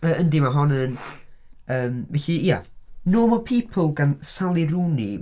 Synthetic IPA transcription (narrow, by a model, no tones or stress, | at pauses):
əʔəndimaɦɔnən | əːmvɛɬiija̰noːmɔpʰipʰəlˠɡansalˠiɾuni